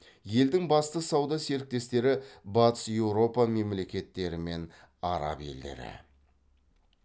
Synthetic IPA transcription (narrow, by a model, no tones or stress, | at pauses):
je̞ld̪ɪŋbɑst̪əsɑwd̪ɑse̞ɾɪk̚t̪e̞st̪e̞ɾɪbɑt̪ə̥sje̞wɾo̞pɑme̞mle̞kʲe̞t̪ːe̞ɾɪme̞n | ɑɾɑ̰pje̞̰ld̪e̞̰ɾɪ̰